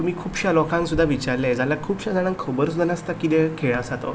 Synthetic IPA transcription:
t̪umiːkʰuːbɕalɔkãŋsud̪ʱːaʋit͡ɕaɾled͡zalakʰuːbɕad͡zaɽãŋkʰobəɾs̬ud̪ʱanast̪akit̪ekʰeɭasat̪o̰

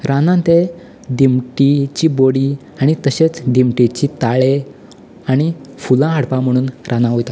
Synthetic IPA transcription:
ɾanãnt̪e | d̪imʈit͡ɕiːboɽiː | aɽ̃it̪əɕet͡sd̪imʈit͡ɕit̪aɭe | aɽ̃ifulãɦəɽpãm̤əɽ̃uːnɾʔanãɦojt̪a

